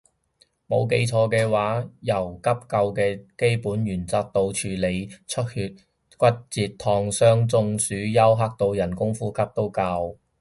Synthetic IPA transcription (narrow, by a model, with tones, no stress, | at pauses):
mo˨˧wk̬e˨˥jt͡sʰɔː˧kɛː˧waː˨˥jɐ˨˩wkɐ˥p̚kɐ˧wkɛː˧ke˥jpuː˨˥njyː˨˩nt͡saː˧k̚t̪o˧wt͡ʃʰyː˨le˨˧jt͡ʃʰɵ˥t̚hyː˧t̚ | kʷɐ˥t̚t͡siː˧t̚t̪ʰɔː˧ŋsœː˥ŋt͡sʊ˧ŋsyː˨˥jɐ˥wɦaː˥k̚t̪o˧wjɐ˨˩nkʊ˥ŋfuː˥kʰɐ˥p̚t̪o˥wkaː˧w